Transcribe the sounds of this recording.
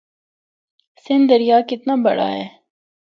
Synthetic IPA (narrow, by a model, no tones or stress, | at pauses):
sɪ̃nd̪əɾijaːkɪt̪nabɐ̰ɽa̰ɦɛː